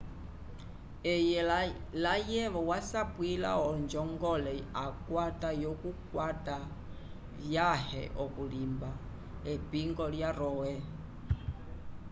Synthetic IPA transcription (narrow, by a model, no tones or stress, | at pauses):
ɛjɛlajɛʋɔwasapwila̰ɔnd͡ʒɔŋɡɔlɛakwatajɔkukwata | vjahɛ̰ʔɔkulimba | ɛpiŋɡɔljaɾɔwɛ